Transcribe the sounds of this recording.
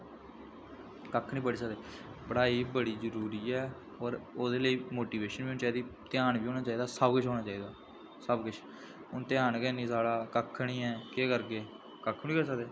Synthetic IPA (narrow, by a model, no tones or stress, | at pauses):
kəkʰɳiːpəɽiːsəkd̪eː | pəɽaːiːbəɽiːzəɾuːɾiːɛː | ɔːɾoːd̪eːləiːmoːʈiːʋeːʃənbiːonːt͡ʃaːid̪iːt̪ɪjaːnʋiːoːñaːt͡ʃaːiːd̪aːsəbkʊt͡ʃʰɦoːñaːt͡ʃaːiːd̪aː | səbkʊt͡ʃʰ | ʊnt̪ɪjaːnkɛːnĩːsaːɽaːkəkʰːɳĩːɛːkeːkəɾɡeː | kəkʰːiːkəɾs̬əkd̪eː